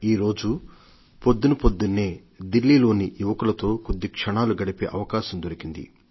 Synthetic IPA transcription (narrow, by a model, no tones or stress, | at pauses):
iːɾo̞ːd͡ʒu | pod̪ːunɐpod̪ːunːe̞ː | d̪ilːiːlo̞ːnijuʋɐkulɐt̪o̞ːkud̪ːikʂɐɳaːluɡɐɽipe̞ːʔɐʋɐkaːʃɐmd̪oɾikind̪ḭ